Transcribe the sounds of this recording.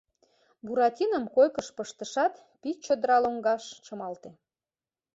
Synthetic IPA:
buɾɑtʲinəmkojkəʃpəʃt̪əʃɑt̪ | pit͡ɕod̪əɾɑloŋɡɑʃʃəmɑlt̪e

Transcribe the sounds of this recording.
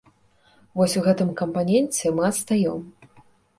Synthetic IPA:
vɔsʲuɣɛt̪ɨmkɐmpanʲɛnʲt͡sʲɛmɨɐt̪st̪ajɔm

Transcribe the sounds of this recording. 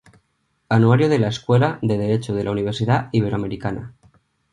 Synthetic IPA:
anuaɾjoð̞e̞laeskwelaðe̞ð̞eɾe̞t͡ʃoð̞elauniβ̞e̞ɾsiðaiβ̞e̞ɾoame̞ɾikana̰

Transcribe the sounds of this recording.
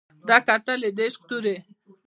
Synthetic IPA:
d̪akat̪aled̪eʃq̚t̪uɾe

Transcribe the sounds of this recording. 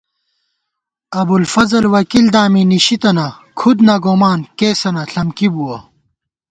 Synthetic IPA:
ɐbulfɐzɐlwɐkild̪aːminiɕit̪ɐnakʰud̪nɐɡomaːnkeːsɐnɐɬɐmkibuwɐ

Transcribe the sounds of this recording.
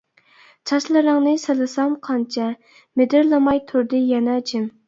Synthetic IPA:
t͡ʃʰɑʃlˠɨɾɨŋnɨselˠɨsɑmqʰɑnt͡ʃʰɛ | med̪ɪɾlˠɨmɑjt̪ʰuɾd̪ɨjɛnɛd͡ʒɪm

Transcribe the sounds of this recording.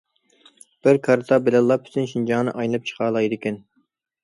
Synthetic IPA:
b̥ɪɾkʰɑɾt̪ʰɑbɪlɛlˠːɑpʰy̥t̪ʰynʃind͡ʒɑŋnɨ̰ʔɑjnɨlˠɨp̚t͡ʃʰə̥qʰɑːlˠɑjd̪ɪkʲɛn

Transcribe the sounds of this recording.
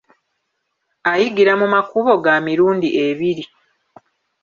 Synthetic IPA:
ajiɡiɾamumakuβo̞ɡamiɾuːndiʔeβiɾi

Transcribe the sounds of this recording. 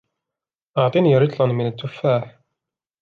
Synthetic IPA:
ʔəʕt̪ˤiniɾˤɪt̪ˤlənmɪnət̪ːʊfːaħ

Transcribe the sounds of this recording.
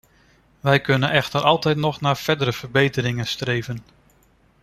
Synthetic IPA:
ʋɛjkɵnənɛxtəɾʔɑlˠtɛjtnɔχnaːɹfɛɹdəɾəv̥əɹbejtəɾɪŋənstrejvən

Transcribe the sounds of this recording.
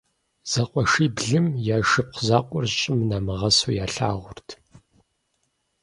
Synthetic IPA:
z̥ɐqʷʼɔʂiːbɮɨmjaːʃɨp̚qʷʰzaːqʷʼɔrɕʼɪmnaːmɨʁɐsujaːɬa̰ːʁʷʊrtʰ

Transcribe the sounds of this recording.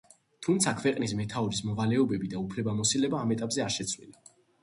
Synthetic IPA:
t̪ʰumt̪sʰakʰvɛqʼnismɛt̪ʰaɔɾismɔvalɛɔbɛbid̪aupʰlɛbamɔsilɛbaːmɛt̪ʼapʼzɛaɾʃɛt̪sʰvlḭla

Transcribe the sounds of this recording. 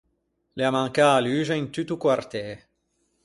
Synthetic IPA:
leamãŋkaːlyːʒeint̪yt̪ukwart̪ɛ

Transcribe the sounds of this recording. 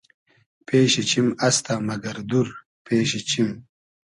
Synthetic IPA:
peːɕit͡ɕimɐst̪amɐɡɐɾd̪uɾ | peːɕit͡ɕʰim

